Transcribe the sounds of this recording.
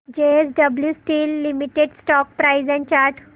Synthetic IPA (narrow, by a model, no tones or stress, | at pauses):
d͡ʑeesɖəbljusʈiːlːimiʈeɖsʈɔk̚pɾaizɛ̃ɳt͡ɕaɾʈ